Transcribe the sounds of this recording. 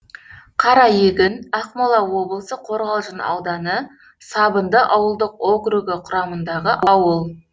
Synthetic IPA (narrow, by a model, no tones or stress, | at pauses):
qʰɑɾɑjeɡʲɪnɑqmolˠɑwo̞blˠəsəqʰo̞ɾʁɑlˠʒənɑ̰wd̪ɑnə | sɑbənd̪əʔɑwəlˠd̪əqoɡɾuɡəqʰʊɾɑmənd̪ɑʁəʔɑwəlˠ